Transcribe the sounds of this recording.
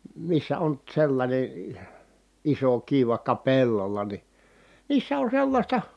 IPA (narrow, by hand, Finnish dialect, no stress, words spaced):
misːæ on selːɑnʲe iso kiʋ ʋɑĭkːɑ pelːolɑ ni niːsːæ on selːɑsʲtɑ